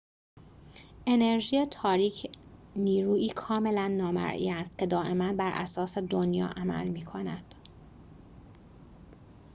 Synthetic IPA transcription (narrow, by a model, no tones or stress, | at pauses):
ʔe̞ne̞ɾʒiːjet̪ʰɒːɾiːcʰniːɾuːiːkʰɒːme̞lænːɒːmæ̰ɾʔḭæst̪̚cʰe̞d̪ɒːʔe̞mænbæɾʔæ̰sɒːse̞d̪onjɒ̰ːʔæmæ̰lmiːkʰo̞næd̪̥